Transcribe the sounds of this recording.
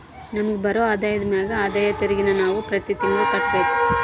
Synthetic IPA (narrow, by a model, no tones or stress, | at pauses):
nɐmɐɡebɐɾoːaːd̪aːjɐd̪ɐmaːɡɐaːd̪aːjɐt̪eɾiɡinɐnaːʋupɾɐt̪it̪iŋɡɐɭukɐʈːbe̞ːku